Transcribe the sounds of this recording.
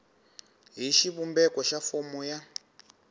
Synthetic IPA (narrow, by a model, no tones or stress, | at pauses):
ɦiʃiβumbɛkɔʃafɔmuja